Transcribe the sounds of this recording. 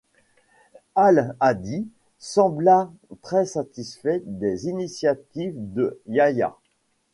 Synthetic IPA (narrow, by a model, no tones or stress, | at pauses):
alad̪i | sɑ̃blat̪χɛsat̪isfɛd̪ezinisjat̪ivd̪əjaja̰